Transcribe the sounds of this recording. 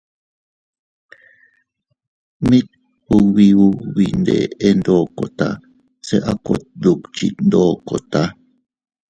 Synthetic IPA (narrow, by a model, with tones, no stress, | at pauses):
mĩ˦t̪̚ | hu˧wi˧u˦wi˨nd̪ḛ˨e˦nd̪o˦˨ko˨t̪a̰˦ | se˦ʔa˦ko˨t̪̚ðu˨kt͡ʃḭ˨nd̪oː˦ko˨t̪a˦